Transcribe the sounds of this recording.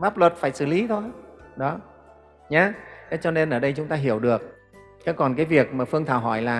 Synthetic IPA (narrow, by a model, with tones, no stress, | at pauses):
maː˦˥p̚lwə˨˩t̚faː˧˩jsɨ̰˧˩li˨˦t̪ʰo˧jɗɔ˨˦ | ɲaː˧na˨˦t͡ɕɔ˧ne˧nʔəː˧˩ɗə˧jt͡ɕʊ˨˦ŋ͡mt̪aː˧ɦi˧˩əwɗɨ˨˩ək̚ː | aː˨˦jkɔ˨˩nkaː˨˦jvi˨˩ək̚maː˨˩fɨ˧əŋt̪ʰaː˧˩wɦɔ˧˩jlaː˨˩